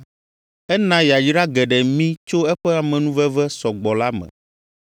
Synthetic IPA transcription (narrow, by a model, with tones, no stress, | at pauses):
ɛ˦nã˦ja˨d͡ʒɖa˦ɡɛ˨ɖɛ˨mĩ˦t͡ʃo˦ɛ˦ɸɛ˦a˨mɛ̃˨nũ˦vɛ˦vɛ˦sɔ˨ɡ͡bɔ˨la˦mɛ̰̃˨